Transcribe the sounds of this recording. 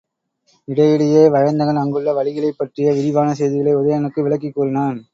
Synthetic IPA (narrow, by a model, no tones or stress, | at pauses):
ɪɽɐjɪɽɐjeːʋɐɻɐnd̪ɐɣɐnɐŋɡɐɯɭːɐʋɐɭɪɣɐɭɐɪpːɐʈrɪjɐʋɪɾɪʋaːnɐsɛjðɪɣɐɭɐɪʊðɐjɐnɯkːɯʋɪɭɐkːɪkːuːɾɪnaːn